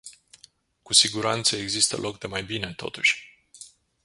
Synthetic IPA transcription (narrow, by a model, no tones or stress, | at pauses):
kusiɡuɾant̪səe̞ɡzist̪ə̰lʔo̞kd̪e̞majbine̞t̪o̞̰t̪uʃʲ